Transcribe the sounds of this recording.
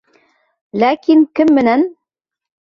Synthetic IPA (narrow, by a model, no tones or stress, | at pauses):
lækiŋkɘmːɘ̆næn